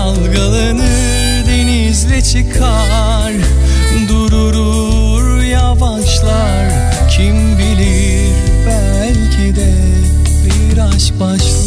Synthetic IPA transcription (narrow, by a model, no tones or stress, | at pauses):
alˠɡalˠɯnɯ | d̪enizlɛt͡ʃʰɯkʰa | ɾ | d̪uɾuɾu | ɾ | javaʃlˠa | ɾ | cʰimbilʲi | ɾbɛ | ɛlʲcʰid̪ɛ | biɾaʃbaʃ